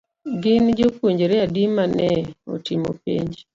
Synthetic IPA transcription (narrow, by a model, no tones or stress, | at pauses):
ɡɪnd͡ʒokuɲd͡ʒɾeadimanɛo̰timo̰pḭɲd͡ʒ